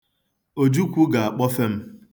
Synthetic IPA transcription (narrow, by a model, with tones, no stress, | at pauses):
o˨d͡ʒu˦kʷu˦ɡa˨a˨k͡pɔ˦fe˦m̩˦